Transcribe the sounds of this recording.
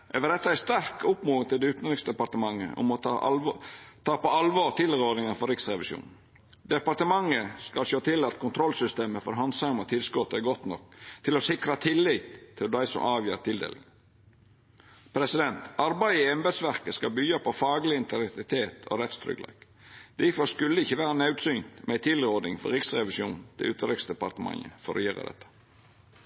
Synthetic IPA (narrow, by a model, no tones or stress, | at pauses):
ʔɛʋəd̪ɛt̪ːəæɾst̪æɾkʊpmuːɪŋt̪ʰɪld̪ɛʉːt̪nɾɪksd̪ɛpɑɾt̪əmɑŋːə̰ʊ̰mɔʔ̪ | t̪ʰɑːpɔɑlʋoːɾt̪ʰɪlːəɾoːd̪nɪŋənfɔɾɪksɾɛʋɪʃjṵːn̩ | d̪ɛpɑɾt̪əmɑŋːəskɑlʃoːt̪ʰɪlɑt̪kʰʊnt̪ʰɾɔlsʏst̪eːməfɔɾɦɑnd̪sɑŋmɑt̪ʰɪlskɔt̪ɛɡɔt̪nɔ̰kːt̪ʰɪlɔsɪkɾɑt̪ʰɪlːiːt̪ʰːɪld̪æɪsɔ̰mʔɑːʋjiːɾt̪ɪld̪ḛːlɪŋ | pʰɾɛsɪd̪ɛnt̪ɑɾbæɪɪɛmbɛd̪sʋæɾkəskɑbyːɑpʰɔfɑːɡlɪɪnt̪əlɛkt̪ɪt̪ʰeːt̪ʰo̰ɾɛt̪st̪ʰɾʏ̰ɡlɑ̰ːk | d̪̥æfɔskʉld̪ɪçəʋæːɾənɑʉd̪syːnt̪mʔɛæɪt̪ʰɪlɾoːd̪ɪŋfɔ̰ɾɪksɾɛʋɪsjṵːnt̪ʰɪ̰ʉːt̪əɾɪksd̪ɛpɑɾt̪əmɑ̰ŋə̰fɔɾɔ̰jøːɾə̰d̪ɛ̰t̪ːə̥